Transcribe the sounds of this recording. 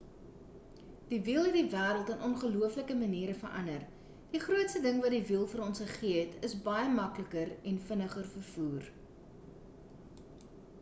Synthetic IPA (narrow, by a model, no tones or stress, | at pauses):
d̥ivilˠɦɛt̚divæːɾəlˠtənʔɔnχəluəfləkəməniːɾəfərʔɐ̰nər | d̥iχruətstədəŋvɐt̚divilˠfəɾɔnsχəχiəɦɛtʰəsbɐjəmɐkləkərɛnfənəχərfərfuːr